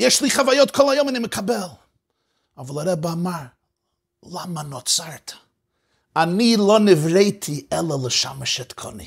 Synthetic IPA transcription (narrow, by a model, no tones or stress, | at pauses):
jɛʃlˠiːχavajɔtkʰɔlˠajomɪnɪməkʰabɛlˠ | avəlˠaɾɛbamaɾ | lˠamanɔt͡saɾtʰ | aniːlˠɔnɪvɾeɪtʰiɛlˠəlˠəʃa̰məʃɛtkʰɔ̰nḭ